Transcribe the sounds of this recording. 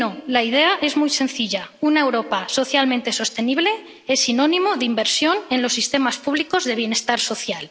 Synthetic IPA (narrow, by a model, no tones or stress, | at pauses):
olaið̞e̞aʔe̞zmujse̞n̟θiʎaunae̞wɾo̞paso̞θjalmẽnt̪e̞so̞st̪e̞niβ̞le̞ | e̞sino̞nĩmoðimbe̞ɾsjo̞ne̞nlo̞sːist̪e̞maspuβliko̞zðe̞β̞je̞ne̞st̪aɾso̞θjal